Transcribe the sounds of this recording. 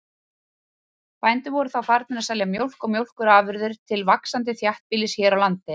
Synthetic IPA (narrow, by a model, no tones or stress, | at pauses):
paːjnt̪ʏvɔɾʏθawfaɾt̪nɪnasalɛamjowl̥kɔwmjowl̥kʏɾaːvʏɾðʏɾ̥t̪ʰɪlvaksant̪ɪθjaht̪̚piːlɪsçɛːɾawlant̪ɪ